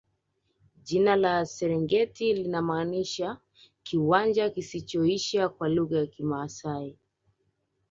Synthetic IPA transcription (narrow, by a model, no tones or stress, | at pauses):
ʄinalasɛɾɛŋɡɛtilinamaːniʃa | kiwand͡ʒakisit͡ʃɔiʃakwaluɣajakimaːsai